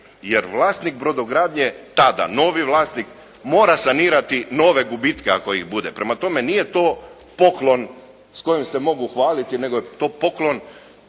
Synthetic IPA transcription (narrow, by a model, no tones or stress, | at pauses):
jeɾʋlˠaːst̪nik̚bɾo̞d̪oɡɾaːd̪ɲe̞t̪ad̪a̰no̞ʋiʋlˠaːst̪nik | mo̞ːɾasaniːɾat̪ino̞ːʋe̞ɡubit̪keako̞iɣbud̪e̞pɾemat̪o̞me̞nije̞t̪o̞ː | po̞klo̞n | sko̞jimse̞mo̞ɡuxʋaːlit̪ine̞ɡojet̪o̞ːpo̞klˠo̞n